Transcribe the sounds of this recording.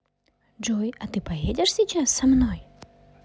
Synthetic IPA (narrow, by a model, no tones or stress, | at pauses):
d͡ʒojɐt̪ɨpɐjedʲɪʂsʲɪt͡ɕasːɐmnoj